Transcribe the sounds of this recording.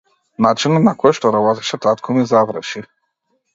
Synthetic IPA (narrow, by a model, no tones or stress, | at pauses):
nat͡ʃinat̪nakɔjʃt̪ɔɾabɔt̪ɛ̥ʃɛt̪at̪kʰɔmizavɾʃi